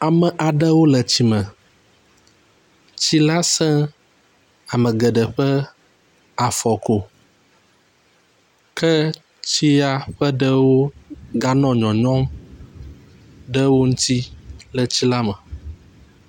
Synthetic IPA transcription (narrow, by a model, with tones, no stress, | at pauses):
a˨mə̃˨ʔa˨ɖə˦wo˦lə˨t͡ɕi˨mə̃˨ | t͡ɕi˦la˦sɛ̃˦ | a˨mə̃˨ɡə˨ɖə˨ɸə˦ | a˨fɔ˨ko˨ | kʰɛ˦ | t͡ɕi˦a˦ɸə˦ɖə˦wo˦ɡa˦nɔ̃˦ɲɔ̃˨ɲɔ̃˦m | ɖə˦wo˦ŋũ˦t̪ʰi˦lə˨t͡ɕi˦la˦mə˨